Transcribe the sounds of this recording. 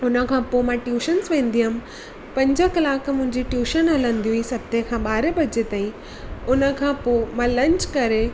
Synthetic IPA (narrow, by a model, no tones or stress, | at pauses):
ʊnə̆kʰãːpomãːʈjuːʃənsʋẽːn̆d̪iʊm | pɐ̃ɲd͡ʑəkɐlaːkʰmʊ̃ɦɪ̃ɲd͡ʑiʈjuːʃənɦɐlə̃nd̪iuisɐb̚t̪ʰekʰãːɓaːɾebɐd͡ʑet̪aːĩ | ʊnə̆kʰãːpoːmãːlɐ̃ɲt͡ɕkɐɾe